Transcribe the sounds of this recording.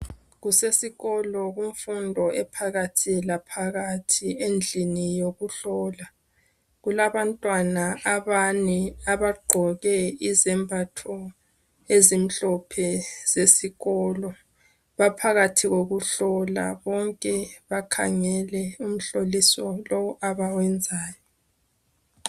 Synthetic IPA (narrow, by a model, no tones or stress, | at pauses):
ɣusesiɣɔlɔɣuɱfundʱɔʔɛpʰaɣatʰilapʰaɣatʰiend͡ɮʱinijoɣuɬɔːla | ɣulaβantʼwanaaβanɛaβaɡ͡ǃʱɔɣɛizɛmbʱatʰɔ | ezim̩ɬɔpʰɛz̥esiɣɔlɔ | βapʰaɣatʰiɣoɣuɬɔla̰βɔŋkʼɛβakʰa̰ŋɛlɛum̩ɬolisɔlɔwɔʔaβawɛnd͡zʱaːjɔ